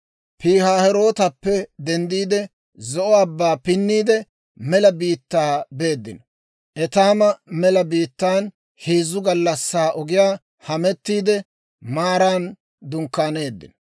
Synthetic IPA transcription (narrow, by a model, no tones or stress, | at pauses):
piːhaːhɛɾo̞ːt̪ɐpːɛd̪ɛnd̪iːd̪ɛ | zɔʔɔɐbːaːpɪnːiːd̪ɛ | mɛlɐbiːt̪ːaːbe̞ːd̪ːɪ̰nɔ | ʔɛt̪aːmɐmɛlɐbiːt̪ːaːn | hiːzːʊɡɐlːɐsːaːʔɔɡɪjaː | hɐmɛt̪ːiːd̪ɛ | maːɾaːn | d̪ʊŋkːaːne̞ːd̪ːɪ̰nɔ